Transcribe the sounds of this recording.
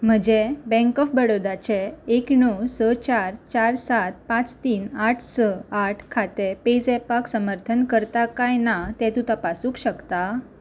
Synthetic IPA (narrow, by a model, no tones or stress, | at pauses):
m̤əd͡ʑebɛ̃ŋkɔfbəɽod̪at͡ɕeeknɔsət͡ɕaɾt͡ɕaɾsat̪̚pãt͡st̪iːnaʈʰsəaʈʰkʰat̪eped͡zɛpaksəməɾt̪ʰənkəɾt̪akajnat̪ɛ̃t̪ut̪apasũkɕəkt̪a